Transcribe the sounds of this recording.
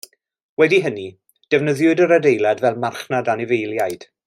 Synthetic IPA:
wɛdiɦəni | d̥ɛvnəðjʊdəɾədejlˠadvɛlˠmarχnadanɪvejlˠjajd̥

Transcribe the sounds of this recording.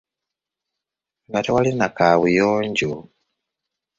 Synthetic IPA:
ŋɡatewalinakaβujoːɲɟu

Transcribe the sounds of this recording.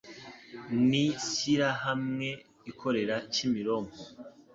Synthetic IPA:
nisiɾahamŋe̞ | ikʰo̞ɾe̞ɾacimiɾo̞mo

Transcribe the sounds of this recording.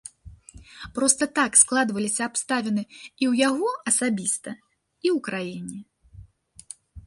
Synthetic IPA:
pɾɔst̪ɐt̪aksklˠad̪vɐlʲisʲɐːpst̪avʲɛnɨiwjaɣɔɐsabʲist̪ɐ | iwkɾajinʲɛ

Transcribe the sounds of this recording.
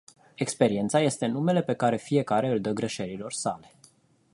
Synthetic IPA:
e̞kspe̞ɾie̞nt̪saje̞st̪e̞nume̞le̞pe̞kaɾe̞fije̞kaɾe̞ɨld̪əɡɾe̞ʃe̞ɾilo̞rsale̞̥

